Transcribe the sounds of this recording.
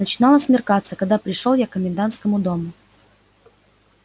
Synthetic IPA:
nət͡ɕɪnalˠəsʲmʲɪrkat̪səkɐɡ̚d̪apɾʲɪʂolˠjakːəmʲɪnd̪ant̪skəmʊd̪o̞mʊ

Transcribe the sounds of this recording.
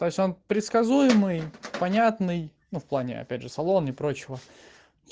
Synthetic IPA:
t̪o̞ɪsʲo̞npɾʲɪt̪skɐzujɪmɨjpɐnʲat̪nɨj | nufplˠanʲɪ̰ɐ̰pʲædʲʐɨsɐlˠo̞nɪpɾo̞t͡ɕɪvə

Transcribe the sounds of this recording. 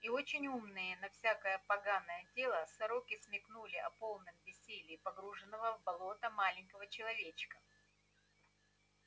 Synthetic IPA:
io̞t͡ɕɪnʲumnɨjənɐfsʲakəjəpɐɡanːəjətʲe̞lˠəsɐɾokʲɪsmʲɪknulʲɪɐpo̞lˠnɨmbʲɪsʲelʲɪːpɐɡɾuʐɨnːəvəvbɐlˠo̞t̪əmalʲɪnʲkəvət͡ɕɪlˠɐvʲet͡ɕɪ̥kə

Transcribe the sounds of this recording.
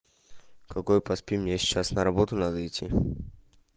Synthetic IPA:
kɐkojpɐspʲimnʲesʲt͡ɕːasnəɾɐbot̪ʊnad̪əɪtʲʰːi

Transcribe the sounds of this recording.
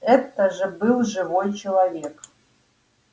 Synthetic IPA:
ɛt̪ːəʒəbɨlˠʒɨvojt͡ɕelˠavʲek

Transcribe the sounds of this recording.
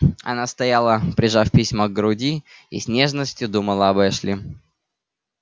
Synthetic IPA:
ɐ̰nast̪ɐjalˠəpɾʲɪʐafʲpʲisʲməɡɾʊdʲiḭsʲnʲe̞ʐnəsʲtʲjʊd̪uməlˠəɐbɛʂlʲi

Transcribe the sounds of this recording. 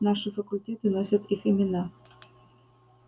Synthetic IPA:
nɑʂɨfɐkulʲtʲet̪ɨnosʲat̪iximʲɪnɑ

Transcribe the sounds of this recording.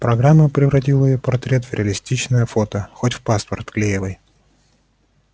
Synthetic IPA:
pɾɐɡɾamːəpɾʲɪvɾɐtʲilˠəɪjopɐrt̪ɾʲe̞t̪vɾʲɪɐlʲɪsʲtʲit͡ɕnəjəfot̪əxotʲfpaspərt̪klʲejɪvɨj

